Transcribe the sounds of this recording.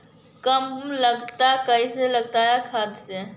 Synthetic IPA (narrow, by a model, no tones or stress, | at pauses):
kəmləɡt̪akəiseləɡt̪aɦɛkʰad̪se